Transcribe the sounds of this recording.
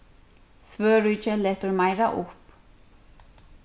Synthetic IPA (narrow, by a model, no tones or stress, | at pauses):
svœːɾʏːt͡ʃɛlɛːht̪ʏɾmaːjɾaʔʊhp